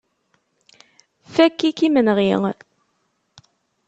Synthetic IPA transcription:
fækːikimənʁiŋ

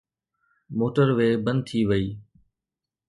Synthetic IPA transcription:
moːʈəɾʋeːbə̃nd̪̚t̪ʰiːʋəiː

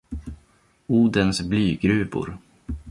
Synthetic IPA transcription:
uːd̪ənsblyːɡɾʉ̟ːbʊ̰ɾ

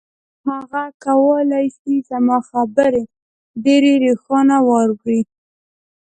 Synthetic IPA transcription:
haɣakawəlajsizamɑxabəɾe | ɖeɾeɾexɑnawɑɾɡɽi

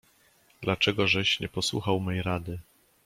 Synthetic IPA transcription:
d̪̥lat͡ʂɛɡɔʐɛɕɲɛpɔswṵxawmɛjɾad̪ɘ

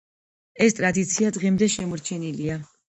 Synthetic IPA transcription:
ɛst̪ʼɾad̪it̪sʰiad̪ʁɛmd̪ɛʃɛmɔɾt͡ʃʰɛnilia

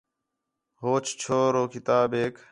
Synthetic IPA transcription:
ɦoːt͡ʃt͡ʃʰoːɾoːkɪt̪aːbeːk

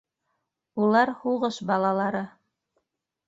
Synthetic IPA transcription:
ulˠɑɾhuʁɤʃbɑlˠɑlˠɑɾɤ

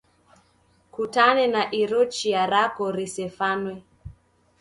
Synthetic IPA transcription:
kutanɛnaʔiɾɔt͡ʃiaɾakɔɾisɛfanwɛ

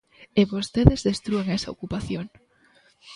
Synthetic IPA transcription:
eβost̪eðezðest̪ɾueŋɛsɐo̰kupaθjoŋ

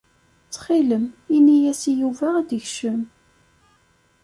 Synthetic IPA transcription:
t͡sːχiləminijæsijuvææd̪əçʃəm

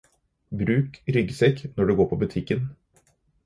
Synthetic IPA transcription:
bɾʉːkɾʏɡsɛknɔɖʉɡoːpʰɔbʉt̪ʰɪkːən

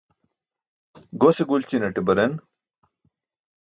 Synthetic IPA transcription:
ɡoseɡult͡ɕinɐʈibɐɾen

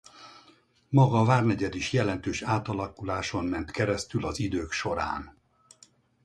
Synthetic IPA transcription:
mɒɡɒːvaːrnɛɟɛd̪iʃjɛlɛnt̪øːʃaːt̪ɒlɒkulaːʃo̞nmɛnt̪kɛɾɛst̪ylɒzid̪øːkʃo̞ɾa̰ːn

